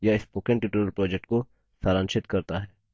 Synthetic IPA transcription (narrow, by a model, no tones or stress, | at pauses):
jaɪspoːkẽɳʈjiːʈəɾəlpɾɔːd͡ʒɛk̚ʈko | saːɾãːnʃɪt̪kɐɾt̪aɦɛː